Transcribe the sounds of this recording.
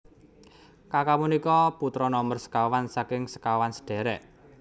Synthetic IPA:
kakamunikɔput̪ɾɔnɔmərsə̥kawansakɪŋsə̥kawansə̥ɖ̥ɛ̤ɾɛʔ

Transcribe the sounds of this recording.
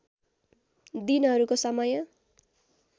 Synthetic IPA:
d̪inɦʌɾukosʌmʌjʌ

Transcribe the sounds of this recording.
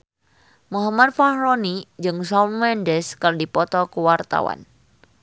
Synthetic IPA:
muɦamat̪̚fahɾɔnid͡ʒɨŋsɔnwɛndɛskərdipɔt̪ɔkuwart̪a̰wa̰n

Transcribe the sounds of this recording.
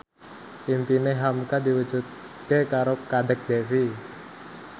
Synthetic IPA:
impineɦamkad̪iwu̥d͡ʒut̪̚ | kekaɾokaɖək̚d̪̥efi

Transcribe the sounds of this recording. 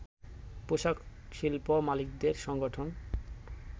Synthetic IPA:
poʃakʃilpomalik̚d̪eɾʃɔŋɡoʈʰon

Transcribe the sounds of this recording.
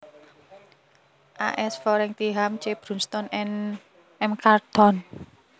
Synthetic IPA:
ʔa̰ʔɛsfɔɾɛŋt̪iɦamt͡ʃeb̥ɾṳnst̪ɔn | ɛmkart̪ɔn

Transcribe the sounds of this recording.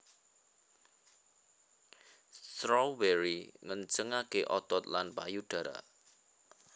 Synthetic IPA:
st̪ɾɔbɛɾiŋənt͡ʃəŋakeʔɔt̪ɔt̪lanpajuɖ̥ä̤ɾa̰

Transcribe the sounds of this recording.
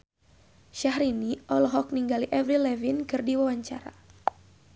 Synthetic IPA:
ʃaɦɾiniʔɔlɔɦɔk̚niŋɡaliʔɛvɾilɛvinkɨrdiwawaɲt͡ʃaɾa̰

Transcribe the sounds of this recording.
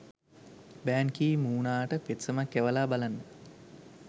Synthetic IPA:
bæːŋkiːmuːnaːʈəpet̪səmakːæʋəlaːbalanːə

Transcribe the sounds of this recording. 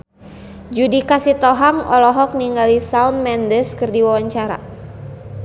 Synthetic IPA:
d͡ʒudikasit̪ɔɦaŋɔ̰lɔɦɔk̚niŋɡalisaunmɛndəskɨrdiwawaɲt͡ʃaɾa̰

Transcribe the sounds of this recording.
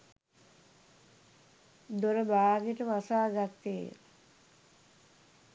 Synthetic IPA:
d̪oɾəbaːɡeʈəʋasaːɡat̪ːḛ

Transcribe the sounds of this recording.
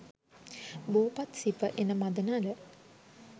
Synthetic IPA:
boːpat̪sipəʔenəmad̪ənaːlə

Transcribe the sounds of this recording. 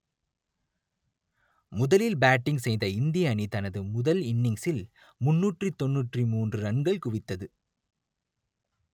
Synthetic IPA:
mʊðɐlɪlbaːʈːɪŋɡsɛjðɐɪnd̪ɪjɐːnit̪ɐnɐðɯmʊðɐlɪnːɪŋsɪl | mʊnːuːʈrit̪ɔnːuːʈrimuːndrɯɾɐɳɡɐɭkʊʋɪt̪ːɐðɯ

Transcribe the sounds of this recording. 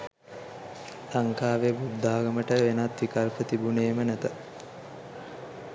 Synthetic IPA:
laŋkaːʋebud̪ʱːaːɡəməʈəʋenat̪ːikalpət̪ibuneːmənæt̪ə

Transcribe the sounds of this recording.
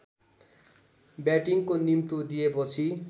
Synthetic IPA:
bjaʈiŋkonimt̪od̪ijepʌt͡sʰi

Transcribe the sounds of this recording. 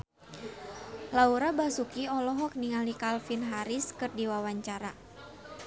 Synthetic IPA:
lauɾabasukiɔlɔɦɔk̚niŋalikalfinɦaɾɪskɨrdiwawaɲt͡ʃaɾa

